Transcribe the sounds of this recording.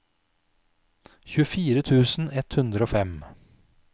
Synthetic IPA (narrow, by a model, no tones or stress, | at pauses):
çʉːəfiːɾət̪ʰʉːsn̩ɛt̪hʉnd̪ɾəoːfɛm